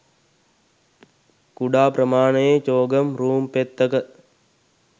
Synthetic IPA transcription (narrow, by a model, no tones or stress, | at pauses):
kuɖaːpɾəmaːɳɐjet͡ʃoːɡɐmɾuːmpet̪ːɐkə